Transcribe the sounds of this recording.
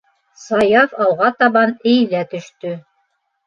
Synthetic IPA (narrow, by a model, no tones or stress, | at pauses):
sɑjɑfɑwʁɑt̪ɑβɑnɘ̆jlæt̪ɵ̆ʃt̪ɵ